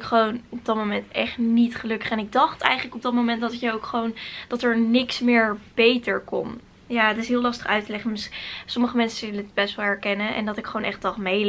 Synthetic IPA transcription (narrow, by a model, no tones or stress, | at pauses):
kχəʋownɔb̚dɑt̚mowmɛntɛχtnitχəlɵkə̥χɛnɪɡ̚dɑχtɛ̰jχənləkɔb̚dɑtmowmɛntdɑtɪkjaowkχəʋownd̥ɑtɛɹnɪksmɪːɹb̥ejtəɹkɔ̰n | jaːətɪsɦɪːlˠlɑstəχœɥtəlɛχənmɪssɔməχəmɛnsəɪləətbɛstʋɛlˠɛɹkɛnənʔɛ̰ndɑtɪkχəʋownʔɛχtd̥ɑχmej